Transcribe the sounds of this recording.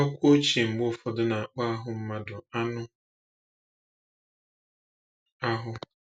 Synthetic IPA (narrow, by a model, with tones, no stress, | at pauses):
ɔ˦kʷo˦t͡ʃi˨ŋ͡m̩˨ɡ͡bʊ˦fɔ˦dʊ˦na˨a˨k͡pa˦a˦ɦʊ˨m̩˦ma˦dʊ˨a˦nʊ˦ | a˦ɦʊ˦